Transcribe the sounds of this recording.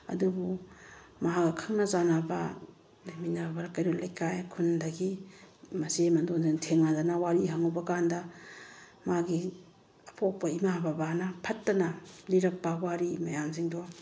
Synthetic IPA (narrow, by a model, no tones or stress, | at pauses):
ɐ̰dubu | mɐɦakɐkʰaŋnɐzanɐbɐ | laminabbaɾakɐjɾolʔajkajkʰundɐɡimɐsimɐndonziŋtʰeŋnadanɐwaɾiɦaŋubɐkandɐ | maɡi | ɐpʰok̚pɐimababanɐpʰɐtːɐnɐniɾɐk̚pɐwaɾimɐjamziŋdo